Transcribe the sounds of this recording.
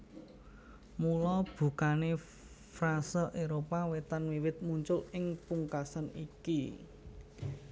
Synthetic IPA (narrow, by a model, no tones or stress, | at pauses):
mulɔb̥ṳkane | frasɔʔeɾopawet̪anwiwɪt̪̚muɲt͡ʃʊlɪŋpuŋkasaniki